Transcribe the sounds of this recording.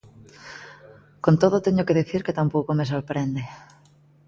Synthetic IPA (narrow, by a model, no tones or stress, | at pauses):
kont̪oð̞ʊt̪ɛɲʊkeðiθiɾket̪ampowkomes̬oɾpɾɛnd̪e